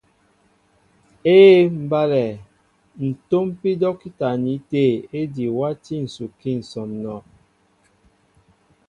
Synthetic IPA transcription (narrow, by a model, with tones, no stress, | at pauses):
eː˦m̩˨ba˦lɛ˨ | n̩˨to˦mpi˦dɔ˦ki˦ta˨ni˨˦te˦˨e˦di˨wa˦ti˦n̩˨su˨ki˦˨n̩˨sɔ˨mnɔ˨